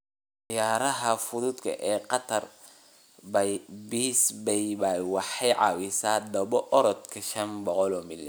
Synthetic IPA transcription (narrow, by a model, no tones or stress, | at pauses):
ʔɑjaːɾɐɦɐfʊðʊd̪kʰɐ̰ʔɛːqɑt̪ʰɐr | biːsbɛjbajwɑħɑjʕɑ̰ːwɪsaːd̪ɐβɔʔɔɾɔd̪kʰɐʃɐnbɔqɔlɔːmɪlɐ